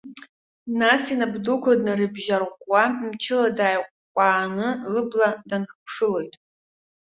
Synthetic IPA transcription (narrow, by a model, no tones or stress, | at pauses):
nasinabdukʷʰadnarɨbʒarʁʷwamt͡ʃʰɪladaːjqʷʼkʷʼaːnɨlɨbladanχpʰʂɨlo̞jtʼ